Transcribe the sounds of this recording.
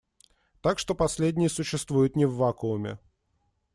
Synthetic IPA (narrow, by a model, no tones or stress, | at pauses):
t̪akʂt̪o̞pɐsʲlʲedʲnʲɪjəsʊɕːɪst̪vujʊt̪nʲɪvːakʊʊmʲɪ̰